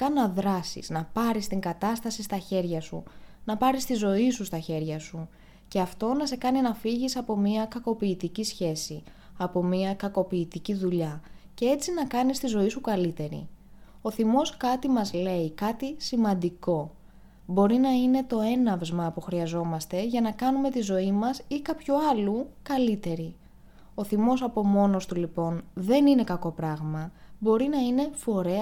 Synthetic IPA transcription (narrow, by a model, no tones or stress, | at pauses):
kɐnɐðɾɐsḭznɐpɐɾist̪iŋɡɐt̪ɐst̪ɐsist̪ɐçe̞ɾʝɐsṵnɐpɐɾist̪izo̞isust̪ɐçe̞ɾʝɐsu | ce̞ɐft̪o̞nɐse̞kɐninɐfiʝisɐpo̞miɐkɐko̞piːt̪icisçe̞si | ɐpo̞miɐkɐko̞piːt̪iciðuʎɐce̞e̞t͡sinɐkɐnist̪izo̞isukɐlit̪e̞ɾḭ | o̞θimo̞skɐt̪imɐzle̞ikɐt̪isimɐnd̪iko̞ | bo̞ɾinɐine̞t̪o̞e̞nɐvzmɐpuxɾiɐzo̞mɐst̪e̞ʝɐnɐkɐnume̞t̪izo̞imɐsikɐpçuɐlukɐlit̪e̞ɾi | oθimo̞sɐpo̞mo̞no̞st̪ulipo̞nðe̞nine̞kɐko̞pɾɐɣmɐbo̞ɾinɐine̞fo̞ɾe̞